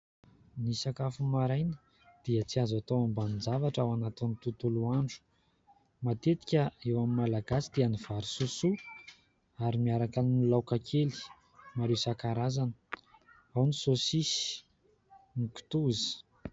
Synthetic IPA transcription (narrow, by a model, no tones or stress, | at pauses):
nisakafumaɾajnə̥ | d̪̥iət͡siazat̪oambanind͡zavaʈ͡ʂawanat̪init̪ut̪uluaɳɖ͡ʐu̥ | mat̪et̪i̥kʲəewamimalaɡasi̥d̪̥ianiv̥aɾisusu | aɾimiaɾakannilawkakʰeli̥ | maɾewsakaɾazanə̥ | awnisosisi̥ | niku̥t̪uzi̥